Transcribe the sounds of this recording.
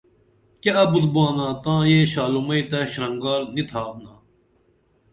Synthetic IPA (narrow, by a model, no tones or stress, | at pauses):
keɐbut̪bãːnãːt̪ãːjeːɕaːlumɐit̪ɐɕɾɐŋɡaːɾnit̪ʰaːtnãː